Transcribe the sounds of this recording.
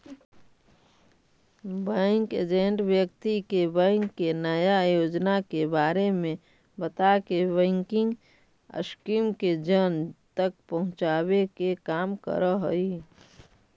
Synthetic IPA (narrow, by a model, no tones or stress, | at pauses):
bɛ̃ŋkḛd͡ʒẽɳʈwjək̚t̪ikebɛ̃ːŋkːenəjajoːd͡ʒnakebaːɾemẽ | bət̪akebɛ̃ːŋkɪ̃ŋɡ | ə̰skiːmked͡ʒənt̪ək̚pəɦʊ̃t͡ʃaːbekekaːmkə̰ɾəɦoi